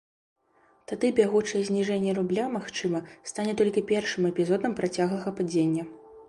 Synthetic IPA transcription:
t̪ad̪ɨbʲaɣut͡ʂɐjɛzʲnʲiʐɛnʲːɛɾublʲamaxt͡ʂɨmɐst̪anʲɛt̪ɔlʲkʲipʲɛrʂɨmɛpʲizɔd̪ɐmpɾʔat͡sʲaɣlˠɐɣɐpad͡zʲenʲːɐ

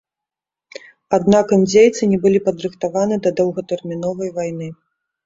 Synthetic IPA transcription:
ad̪nakɐmd͡zʲejt̪sɨnʲɛbɨlʲipɐd̪ɾɨxt̪avanɨd̪ɐd̪ɐwɣɐt̪ɛrmʲinɔvɐjvajnɨ

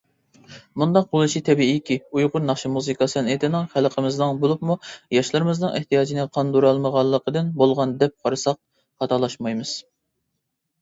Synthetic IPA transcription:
mund̪ɑq̚bolˠɨʃit̪ʰɛbiikʲiujʁʊɾnɑχʃimuzɨkʰɑsɨnet̪ʰɪnɨŋχælqʰəmɨznɨŋbolˠupmujɑʃlˠɨɾɨmɨznɨŋɪ̰ht̪ʰijɑːd͡ʒinɨqʰɑnd̪uɾɑlˠməʁɑlˠːəqəd̪ɨnbolˠʁɑnd̪ɛp̚qʰɑɾɨsɑq̚ | hɑt̪ʰɑlˠɑʃmɑjmɨz̥

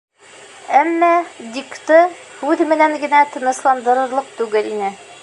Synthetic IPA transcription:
æmːæd̪ʲikt̪ɤhʉðmɘ̆næŋɡɘ̆næt̪ɤ̆nɤ̆ʃlˠɑnd̪ɤ̆ɾɤ̆ɾlˠɤq̚t̪ʉɡɘlinɘ

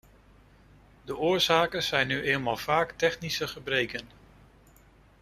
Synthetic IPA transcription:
dəʔʊːɹz̥aːkənz̥ɛjnːyʔejlˠmaːlˠv̥aːktɛχnisəχəbrejkən

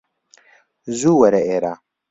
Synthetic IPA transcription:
zuːwɐɾeeːɾaː

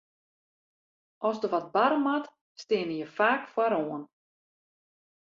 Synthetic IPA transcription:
ʔɔsdəʋɔt̚baɾəmat | stɪənəjəfaːkfwaɾoːən

